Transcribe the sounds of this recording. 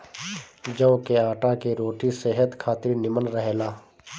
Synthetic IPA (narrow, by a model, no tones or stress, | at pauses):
d͡ʒɐ̃õkeaːʈakeɾoːʈisɛɦət̪kʰaːt̪ɪɾnɪmənɾəɦelaː